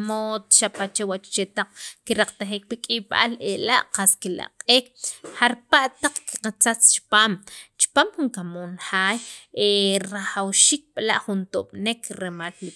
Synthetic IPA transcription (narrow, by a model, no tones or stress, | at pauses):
mot̪ʃapat͡ʃewat͡ʃt͡ʃet̪aq͡χkiɾaq͡χt̪aχiːk̚pikʼiɓa̰lelaʔqaskila̰qʼeːkhaɾpaʔt̪aq͡χki̥qat͡sat͡st͡ʃi̥paːmt͡ʃi̥paːmxuŋkamoːnxaːjʔeɾaχawʃiːk̚ɓlaʔχunt̪oɓ̥nekɾemalːi